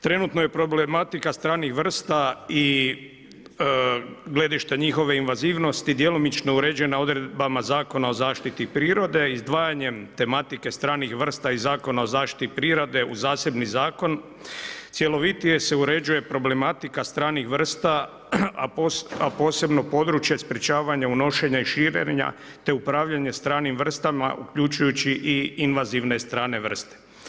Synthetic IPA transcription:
t̪ɾe̞nut̪no̞je̞pɾo̞blemat̪ikast̪ɾaːnixʋr̩st̪ai | ɡle̞d̪iʃt̪eɲixo̞ʋe̞inʋaziːʋno̞st̪id̪jelomit͡ʃno̞uɾe̞d͡ʑe̞nao̞d̪ɾe̞d̪̚bamazaːko̞nao̞zaːʃt̪it̪ipɾiːɾo̞d̪e̞izd̪ʋaːjaɲe̞mt̪e̞mat̪ike̞st̪ɾaːnixʋr̩st̪aizaːko̞nao̞zaːʃt̪i̥t̪ipɾiːɾod̪e̞uzaːse̞bnizaːko̞n | t̪sʲje̞lo̞ʋit̪ije̞se̞uɾe̞d͡ʑuje̞pɾo̞ble̞mat̪ikast̪ɾaːnixʋr̩st̪a | aapo̞ːse̞bno̞po̞d̪ɾut͡ʃje̞spɾe̞t͡ɕaːʋaɲauno̞ʃe̞ɲaiʃiːɾḛɲa̰ | t̪e̞upɾaːʋʎaɲe̞st̪ɾaːnimʋr̩st̪ama̰ʔṵkʎut͡ʃujut͡ɕiʔiinʋaziʋne̞st̪ɾaːne̞ʋr̩st̪e

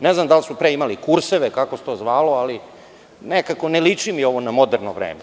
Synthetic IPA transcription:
neznamd̪alsupɾeimalikuɾseʋekakose̥t̪oːzʋaːloali | nekakonelit͡ʂimio̞ʋo̞namod̪eɾnoʋɾḛːme

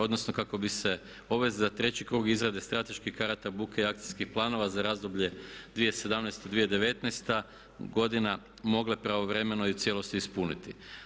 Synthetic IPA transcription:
o̞d̪no̞sno̞kako̞bise̞ | o̞ʋe̞zzat̪ɾe̞t͡ɕikɾuːɡizɾad̪est̪ɾat̪e̞ʃkixkaɾat̪abuːkeiak̚t̪i̥skixplˠaːno̞ʋazaɾaːzd̪o̞bʎe̞d̪ʋije̞se̞d̪amnɛjst̪od̪ʋijed̪e̞ʋe̞t̪nejst̪a | ɡo̞d̪ina | mo̞ɡlepɾaʋo̞ʋɾe̞menoiut̪sje̞lo̞st̪iispunḭt̪i

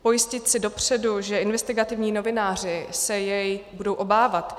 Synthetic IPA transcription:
po̞jɪscɪt̪sɪdo̞pr̝̥ɛduʒɛʔɪnvɛst̪ɪɡat̪ɪvɲiːno̞vɪnaːr̝ɪsɛjɛjbudo̞wʔo̞baːvat̪

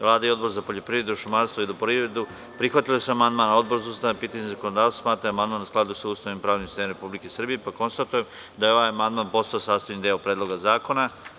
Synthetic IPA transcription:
ʋlˠaːd̪aio̞d̪bo̞ɾzapo̞ʎo̞pɾiːɾe̞d̪uʃumaɾst̪voilupɾivɾed̪u | pɾixʋat̪iloseamand̪maːnao̞d̪bo̞ɾzuːst̪aapiːt̪aɲezakonod̪aːʋt̪ḁsmaːt̪ɾaamand̪maːnsklˠad̪usuːst̪animpɾaːʋnimsi̥st̪emɾepublikesr̩bije̞pako̞nst̪at̪ujem | d̪ajeo̞ʋajamand̪maːnpo̞st̪aosaːst̪aʋjnid̪elopɾeːd̪lˠo̞ɡazaːko̞na

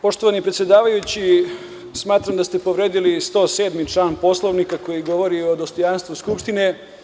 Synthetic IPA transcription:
po̞ʃt̪oʋanipɾet̪sʲje̞d̪aːʋajut͡ɕi | smaːt̪ɾamd̪ast̪e̞po̞ʋɾeːd̪ilist̪o̞ːseːd̪mit͡ʂlaːnpo̞slˠoʋnikako̞jiɡo̞ʋo̞ɾiod̪ost̪ojanst̪ʋuskupʂt̪ine̞

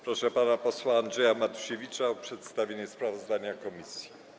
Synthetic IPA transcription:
pɾɔʂɛpanapɔswaːndʐɛjamat̪u̥ʂevʲit͡ʂaɔpʂɛt̪st̪avʲeɲɛspɾavɔzd̪aɲakɔmʲisʲji̥

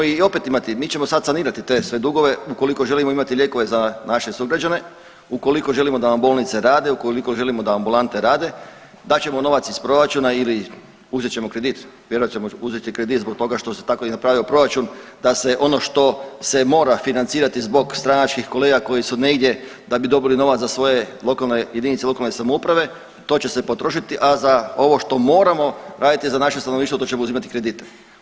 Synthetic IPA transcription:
io̞pet̪imat̪imiːt͡ʃe̞mosad̪saniːɾat̪it̪e̞sʋe̞d̪uɡo̞ʋe̞uko̞liko̞ʒe̞limoimat̪iʎje̞ko̞ʋe̞zanaʃesuɡɾad͡ʒane̞ | uko̞liko̞ʒe̞limo̞d̪anambo̞lˠnit̪seɾaːd̪e̞ukoliko̞ʒe̞limo̞d̪aambulˠant̪e̞ɾaːd̪e̞ | d̪at͡ɕe̞mo̞no̞ʋat̪sispɾo̞ɾat͡ʃunaili | uzet͡ɕe̞mokɾe̞d̪it̪ʋjeɾoat͡ʃemouzet̪ikɾed̪it̪zbo̞k̚t̪o̞ɡaʃt̪o̞set̪akoinapɾaːʋio̞pɾo̞ɾat͡ʃund̪ase̞ʔo̞no̞ʃt̪o̞se̞mo̞ːɾafinant̪siːɾat̪izbo̞ɡst̪ɾanat͡ʃkixko̞le̞ːɡako̞jisuneɡd̪ʲje̞d̪abid̪o̞bilino̞ʋat̪asʋo̞je̞lo̞kalne̞je̞d̪init̪selo̞kalnesamoupɾaʋe̞ | t̪o̞ːt͡ɕe̞se̞po̞t̪ɾo̞ʃit̪iʔazao̞ʋo̞ʃt̪o̞mo̞ːɾamo̞ɾaːd̪it̪izanaʃest̪anoniʃt̪ot̪ot͡ɕemouzimat̪i̥kɾe̞d̪it̪e

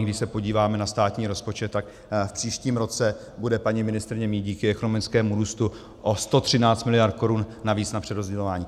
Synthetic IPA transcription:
ɡdɪʃsɛpo̞ɟiːvaːmɛnast̪aːt̪ɲiːɾo̞spo̞t͡ʃɛt̪ːak | fpr̝̥iːʃciːmɾo̞t͡sɛ | budɛpaɲimɪnɪst̪ɾɪɲɛmiːɟiːkɪɛko̞nomɪt͡skɛːmuɾuːst̪u | ʔost̪o̞t̪r̥ɪnaːt͡st̪mɪlɪjaɾt̪̚ko̞ɾunnaviːt͡snapr̥ɛdɾo̞zɟɛlo̞vaːɲiː

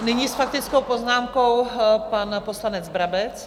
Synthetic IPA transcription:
nɪɲisfak̚t̪ɪt͡sko̞wpo̞znaːmko̞wpanposlanɛd͡zbɾabɛt͡s

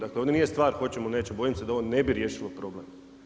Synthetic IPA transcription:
d̪akleond̪ʲenijest̪ʋaːɾxo̞t͡ɕemone̞ːt͡ɕebo̞jimsed̪ao̞ʋone̞biɾjeːʃilopɾo̞blem

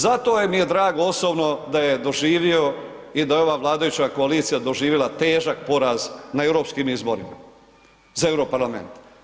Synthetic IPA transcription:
zat̪o̞jemije̞d̪ɾaːɡoo̞sobno̞d̪aje̞d̪o̞ʒiːʋio̞ | id̪ajeo̞ʋaːʋlˠaːd̪ajut͡ʃako̞aliːt̪sijad̪o̞ʒiːʋjelat̪e̞ːʒak̚po̞ɾaznaevɾo̞pskiːmizboɾima̰ | zaevɾopaɾlˠamḛnt̪

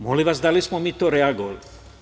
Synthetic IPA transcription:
moliʋasd̪alismɔmit̪ːoɾɛaɡol

